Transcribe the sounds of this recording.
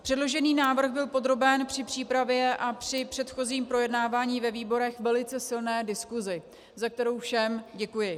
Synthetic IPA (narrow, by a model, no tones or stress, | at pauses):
pr̥ɛdlo̞ʒɛniːnaːvr̩ɣbɪlpo̞d̪ɾo̞bɛnpr̥ɪpr̥iːpɾavjɛʔapr̝̥ɪpr̥ɛt̪xo̞ziːmpɾo̞jɛdnaːvaːɲiːvɛviːbo̞ɾɛxvɛlɪt͡sɛsɪlnɛːdɪskuzɪ | zak̚t̪ɛɾo̞wfʃɛmɟɛkujɪ